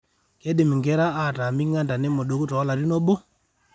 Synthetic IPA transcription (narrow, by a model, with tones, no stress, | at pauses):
ke˦ɗe˨mi˨ŋɡɛ˦ɾa˦ʔa˦˨ta˨mi˦ŋa˦nda˨ne˦mo˨ɗo˨ku˦tɔ˨a˦la˨ɾi˦nɔ˦ɓo˦